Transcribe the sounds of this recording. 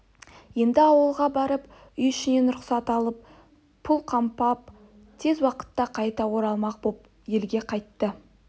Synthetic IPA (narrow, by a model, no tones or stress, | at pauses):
je̞nd̪ɪɑwəlˠʁɑbɑɾəp | ʏjʏʃɪne̞nʊɾʊqsɑt̪ɑlˠəp̚ | pʰːʊlˠqʰɑmpɑp̚ | t̪ʰe̞zwɑqə̥t̪ːɑqʰɑjt̪ɑwo̞ɾɑlˠmɑq̚bop̚ | je̞lɡʲe̞qʰɑjt̪ːə